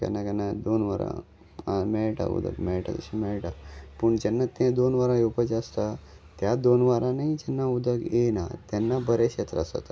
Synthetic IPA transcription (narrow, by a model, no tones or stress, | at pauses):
kɛ̰nakɛnːad̪onʋaɾã̰ | amɛɭʈa̰ṵd̪ʱə̰ɡmɛɭʈa̰t̪əɕimɛɭʈapəɳd͡ʑɛnːat̪ẽd̪onʋaɾãjupəd͡ʑast̪a | t̪jad̪onʋaɾãnaid͡ʑɛnːaud̪ʱəɡena̰t̪ɛnːabəɾeɕet̪ɾa̰sə̰t̪a